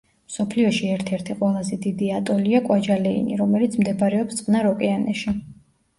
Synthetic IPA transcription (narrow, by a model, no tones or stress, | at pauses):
msɔpʰliɔʃiɛɾt̪ʰɛɾt̪ʰiqʼwɛlˠazɛd̪id̪iat̪ʼɔliakʼwad͡ʒalɛḭnḭɾɔmɛlit̪sʰmd̪ɛbaɾɛɔpst̪ʼqʼnaɾɔkʼɛanɛʃi